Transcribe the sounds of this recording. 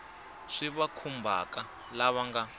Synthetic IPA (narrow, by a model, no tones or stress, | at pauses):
ʂiβakʰumbʱa̰ka | laβaŋɡa